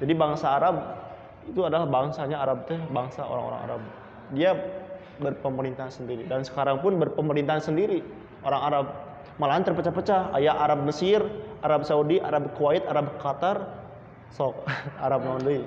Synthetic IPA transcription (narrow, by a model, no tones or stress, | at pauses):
d͡ʒadibaŋsaːɾab̚ | it̪uadalahbaŋsaɲaːɾab̚t̪ɛbaŋsao̰ɾa̰ŋo̰ɾa̰ŋa̰ɾab̚ | dia | bərpəməɾint̪aɦansəndiɾidansə̥kaɾaŋpʊnbərpəməɾint̪aansəndiɾi | ʔoɾaŋaɾab̚ | malaɦant̪ərpət͡ʃapət͡ʃaha̰jaaɾab̚məsɪrʔaɾab̚saudiʔaɾab̚kuwaɪt̪aɾabkat̪ar | sɔk̚a̰ɾab̚nɔndoi